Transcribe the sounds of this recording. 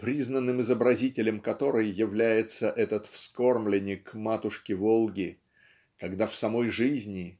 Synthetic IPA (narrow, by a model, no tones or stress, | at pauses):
pɾʲiznənːɨmɨzəbɾɐzʲitʲɪlʲɪmkɐt̪o̞ɾɨjːɪvlʲæjɪt̪səʔɛt̪ət̪fsko̞rmlʲɪnʲɪkmat̪ʊʂkʲɪvolˠɡʲɪ | kɐɡd̪afsɐmo̞jʐɨzʲnʲɪ